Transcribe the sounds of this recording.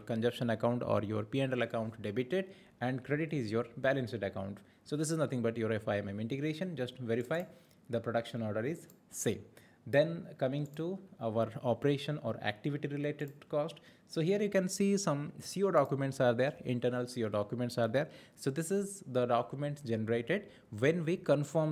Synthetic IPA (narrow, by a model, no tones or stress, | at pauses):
ɾkə̃nd͡ʒʌpʃə̃nɐkãʊ̃ɳʈɔ̰ːɾjoːɾpiɛ̃ɳɖəlɐkãʊ̃ɳʈɖebiʈeɖ | ɛ̃ɳɖkɾeɖɪʈiɪzjoːɾbælə̃nsɪɖɐkãʊ̃ɳʈ | soːd̪ɪs̬ɪznʌt̪ʰɪ̃ŋɡbɐʈjoːɾefaɪɛ̃mɛ̃mɪ̃ɳʈɪɡɾeːʃə̃nd͡ʒʌsʈʋeɾɪfaɪ | d̪əpɾoɖʌkʃə̃nɔːɾɖəɾɪz | sẽːm | d̪ɛ̃nkʌmɪ̃ŋʈuaʋəɾɔːpɾeːʃə̃nɔ̰ːɾæ̰k̚ʈɪʋɪʈiɾɪleːʈeɖ̚kɔːsʈ | soːɦiəɾjukɛ̃nsiːsʌ̃msiːoːɖɔːkjumɛ̃ɳʈsaːɾd̪eːɾɪ̰̃ɳʈəɾnəlsiːoːɖɔːkjumɛ̃ɳʈsaːɾd̪eɾsoːd̪ɪsɪzd̪əɖɔːkjumẽɳʈsd͡ʒɛnəɾeːʈeɖ | ʋɛ̃nʋikə̃nfɔːm